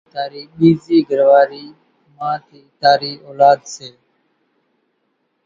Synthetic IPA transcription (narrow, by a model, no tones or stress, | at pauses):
t̪aːɾiːɓiːziːɡəɾʋaːɾiː | mãːt̪iːt̪aːɾiːʔoːlaːd̪seː